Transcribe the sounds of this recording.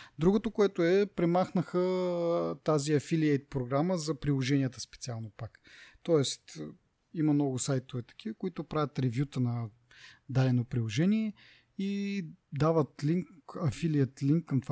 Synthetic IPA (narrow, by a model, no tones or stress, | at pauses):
d̪ɾuɡot̪okoɛt̪oɛpɾɛmaxnəxə | t̪aziɐfiliɛjt̪̚pɾoɡɾaməzɐpɾilˠoʒɛniət̪əspɛt̪sialˠnopakt̪ɔɛst̪ | imɐnɔɡʊsajt̪ovɛt̪ɐ̥k̟ʰʲivəkoit̪opɾavʲət̪ɾɛvjut̪ənɐ | d̪alɛnopɾilˠoʒɛniɛ | id̪avət̪liŋkɐfiliət̪liŋkːɐmt̪va